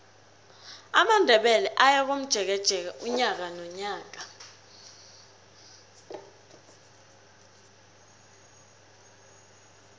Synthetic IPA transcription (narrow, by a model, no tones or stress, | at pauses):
amandʱɛɓɛlɛʔajak̬om̩d̥ʒ̥ʱɛk̬ɛd̥ʒ̥ʱɛk̬aʔuɲak̬anɔɲaːk̬a